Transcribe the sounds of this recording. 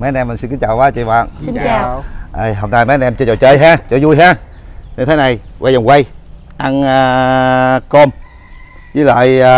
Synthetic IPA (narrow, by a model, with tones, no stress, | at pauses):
mə˨˦ə˧nʔɛ˧mː˨˩ŋsi˧nkɨ˨˦t͡ɕaː˨˩waː˨˦t͡ɕḭ˧˨va̰ː˧˨naː˧˨ʔə˧˩ɦə˧wnaː˧ma˨˦a˧nʔɛ˧mt͡ɕɔ˧t͡ɕɔ˨˩t͡ɕəː˧jɦaː˧t͡ɕɔ˧˩zu˧jɦaː˧˥ | ɲɨ˧t̪ʰe˨˦na˨˩jwʔa˧jɔ˨˩ŋ͡mkwa˧j | ʔa˧ŋː˧ | ko˧m | zi˨˦lə̰ː˧˨j